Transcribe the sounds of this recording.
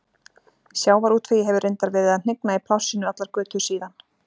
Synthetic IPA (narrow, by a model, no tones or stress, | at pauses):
sjaːwvaɾuːt̪feːjɪɦɛvʏɾrʔejnt̪aɾvɛːɾɪðaðn̥ɪknaipʰlawsɪnʏat̪laɾkvœːt̪ʏ̥siːðan